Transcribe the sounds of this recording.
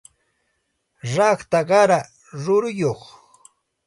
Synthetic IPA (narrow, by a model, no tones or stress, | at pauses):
ɾɑχt̪aɢɑɾa | ɾʊɾʊjoχ